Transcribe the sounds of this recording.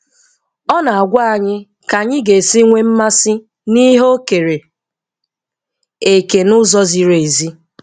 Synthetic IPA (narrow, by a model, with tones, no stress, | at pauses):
ɔ˦na˨a˨ɡʷa˦a˨ɲɪ˦ | ka˨ɲɪ˦ɡe˨si˦ŋʷe˦m̩˦ma˦sɪ˦ | ni˦ɦo˦ke˨ɾe˨ | e˨ke˨nʊ˦zɔ˦zi˨ɾe˨zi˦